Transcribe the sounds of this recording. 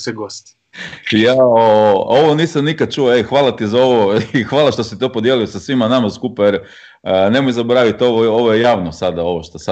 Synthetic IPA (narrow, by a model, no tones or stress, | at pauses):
seɡost̪i̥ | jaoooʋo̞niːsamnikad̪̚t͡ʃuoexʋaːlˠat̪izao̞ʋoixʋaːlaʃt̪o̞sit̪o̞pod̪jeliosasʋimanamaskupajeɾ | ne̞mojzaboɾaʋit̪o̞ʋoo̞ʋojejaːʋnosad̪ao̞ʋoʃt̪osa